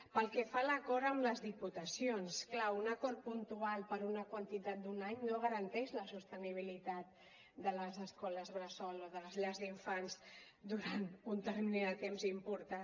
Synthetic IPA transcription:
pəlˠkɛfaləkɔɾəmləzðiput̪əsionsklaunəkɔɾ̚punt̪ualˠpəɾunəkwənt̪it̪at̪̚d̪unaɲnoɣəɾənt̪ɛʃləsust̪əniβ̞ilit̪at̪̚ | d̪ələzəskɔləzβɾəsɔloðələzʎazðiɱfanz | d̪uɾant̪unt̪ərmineðət̪emzimpuɾt̪a

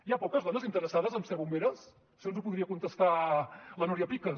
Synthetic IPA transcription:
iapɔkəzðɔnəzint̪əɾəsaðəzəmsɛβumbeɾəs | sionzupuðɾiəkunt̪əst̪alənuɾjəpikə

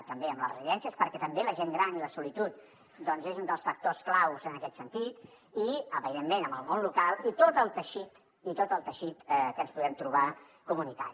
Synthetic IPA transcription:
t̪əmbeəmlərə̰ziðɛnsiəspəɾkɛt̪əmbeləʒeŋɡɾaniləsulit̪ut̪̚ | d̪ɔnzezund̪əlˠsfək̚t̪osklawzənəkɛt̪sənt̪it̪ | iəβiðemːenəmbəlˠmonlukalˠit̪ot̪əlˠt̪əʃit̪ | it̪ot̪əlˠt̪əʃit̪kənspuðɛmt̪ɾuβa | kumunit̪a̰ɾi

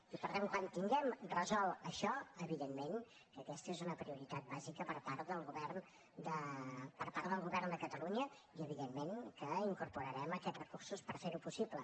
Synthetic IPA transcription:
ipəɾðɛmkwant̪iŋɡɛmrəzɔlˠəʃɔəβiðemːen | kəkɛst̪əezunəpɾiuɾit̪at̪̚bazikəpəɾpaɾðəlˠɣuβɛrn | d̪əpəɾpaɾðəlˠɣuβɛrnd̪əkət̪əluɲə | iəβiðemːenkəiŋkuɾpuɾəɾɛməkɛt̪rəkuɾsuspəɾfeɾupusiblə

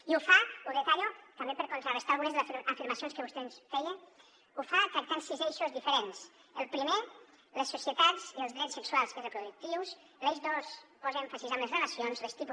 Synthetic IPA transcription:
iufauðet̪aɾjot̪ɐmbepəɾkont̪ɾaɾest̪alɣunezðəfiɾmɐsionskəβust̪ensfɛjən | ufakat̪ansizeʃozðifeɾens | əlˠpɾime | lesːusjət̪aziəlˠzðɾɛsːəkswalˠsmezepɾuðuk̚t̪iws | lezðospɔzeɱfasizamezreləsionzlest̪ipu

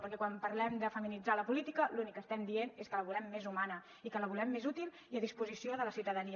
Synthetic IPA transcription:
pəɾkɛkwampəɾlɛmd̪əfəminid͡zaləpulit̪ikəlunikːəst̪ɛmd̪ieneskələβulɛmːezumanə | ikələβulɛmːezut̪ilˠ | iəðispuzisioðələsiwt̪əðəniə

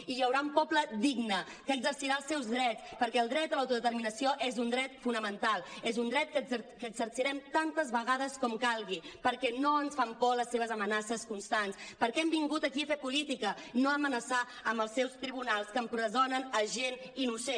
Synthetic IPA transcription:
ijəwɾaumpɔpləd̪iɡnə | kəːɡzəɾsiɾaəlˠsɛwzðɾɛtt͡spəɾkɛəlˠd̪ɾɛt̪əlawt̪uðət̪əɾminəsioʔezund̪ɾɛt̪funəmənt̪alˠɛzund̪ɾɛt̪̚kəkəːɡzəɾsiɾɛmt̪ant̪əzβəɣaðəskɔmkalˠɣipəɾkɛnoənsfampɔləsːeβ̞əzəmənasəskunst̪anspəɾkɛɛmbiŋɡut̪əkiəfepulit̪ikənoəmənəsa | əmbəlˠsːɛwst̪ɾiβunalˠskəmpɾəzonənəʒeninuse

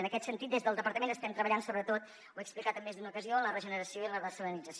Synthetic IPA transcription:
ənəkɛt̪sənt̪it̪d̪ezðəlˠd̪əpəɾt̪əmenəst̪ɛmt̪ɾəβəʎansoβɾət̪ot̪ | wɛksplikat̪əmːezd̪unəukəziolərəʒənəɾəsioilərəsələnid͡zəs

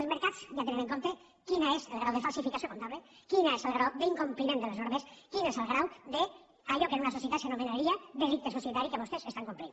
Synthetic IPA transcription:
elzmeɾkat͡sjat̪̬eneneŋkont̪e | kinaeselɣɾawðefalˠsifikasjokont̪aβlekinaeselɣɾawðeiŋkumplimend̪eleznoɾmeskinezelˠɣɾawd̪e | aʎokenunasosjet̪at̪senomẽnaɾiaðerit̪es̬osjet̪aɾikeβost̪esest̪aŋkumplin

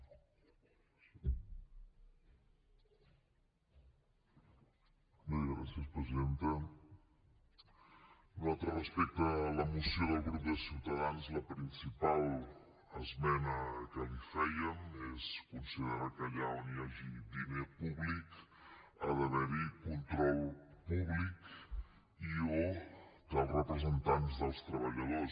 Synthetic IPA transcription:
miɣɾasiəspɾəziðent̪ə | ualˠt̪ɾərəspɛk̚t̪ələmusioðəlˠɣɾup̚d̪əsiwt̪əðanzləpɾinsipalˠ | əzmɛnəkəlifɛjəmeskunsiðəɾakəʎaoniaʒidimepuβlik | ə̰ðəðəɾikunt̪ɾɔlˠpuβlik | iok̪əlˠrəpɾəzənt̪anzðəlˠst̪ɾəβəʎəðos

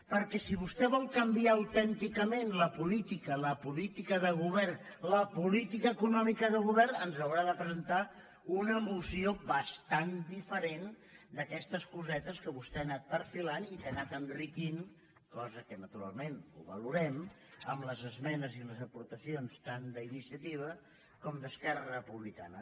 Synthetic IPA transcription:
pəɾkɛsiβust̪ɛβɔlˠkəmbiaəwt̪ɛnt̪ikəmenləpulit̪ikələpulit̪ikəðəɣ̞uβɛrnləpulit̪ikəːkunɔmikəðəɣ̞uβɛrnənzəwɾaðəpəzənt̪a | unəmusioβəst̪and̪ifəɾen | d̪əkɛst̪əskuzɛt̪əskəβust̪ɛənat̪̚pəɾfilanit̪enat̪ənrikin | kɔzəkənət̪uɾa̰lˠmenṵβə̰luɾɛm | əmləzəzmɛnəziləzəpuɾt̪əsionst̪and̪əinisiət̪iβ̞ə | kɔmd̪əskɛrərəpuβlika̰nə

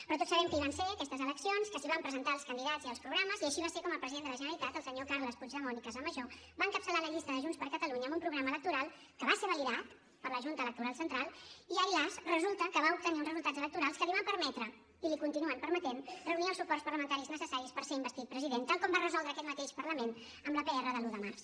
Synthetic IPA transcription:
pɾɔt̪otsəβɛmkəiβanseəkɛst̪əzələksionskəsliβampɾəzənt̪aəlˠskənd̪iðaziəlˠspɾuɣɾaməziəʃiβasekɔməpɾəziðend̪ələʒənəɾəlit̪at̪əlˠsəɲokarləspud͡ʒðəmɔnikəzəməʒo | baəŋkəpsəlaləʎist̪əðəʒunspəɾkət̪əluɲəmbumpɾuɣɾamələk̚t̪uɾalˠ | kəβaseβəliðat̪ | pəɾləʒunt̪ələk̚t̪uɾalˠsənt̪ɾalˠiailasrəzulˠt̪əkəβaup̚t̪əniunzrəzulˠt̪add͡zələk̚t̪uɾalˠskəliβampəɾmɛt̪ɾə | ilikunt̪inuənpəɾmət̪enrəuniəlˠsupɔrspəɾləmənt̪aɾiznəsəsaɾispəɾseimbəst̪it̪̚pɾəziðent̪alˠkɔmbarəzɔlˠd̪ɾəːkɛt̪̚mət̪eʃpəɾləmen | əmləpəɛrəðəluðəmars

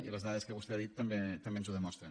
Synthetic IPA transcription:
iləzðaðəskəβust̪eaðit̪ːəmbet̪ːəmbenzuðəmɔst̪ɾən

